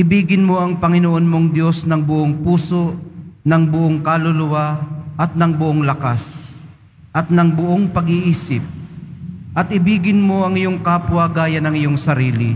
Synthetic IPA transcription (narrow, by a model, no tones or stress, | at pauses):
ʔɪbiːɡɪnmoʔɐŋpɐŋɪnoʔonmoŋd̪jo̞snɐŋbʊʔoŋpuːsonɐŋbʊʔoŋkalʊlʊwaʔɐt̪̚nɐŋbʊʔoŋlɐkas | ʔɐt̪̚nɐŋbʊʔoŋpɐɡɪʔiːsɪp̚ | ʔɐt̪ɪbiːɡɪnmoɐŋɪjoŋkapwaɡaːjɐnɐŋɪjoŋsɐɾiːlɪ̰